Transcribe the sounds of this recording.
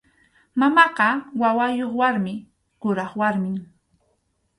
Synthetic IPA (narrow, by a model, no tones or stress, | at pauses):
mamɑqɑwawajoχwaɾmɪ | kʊɾɑχwaɾmɪŋ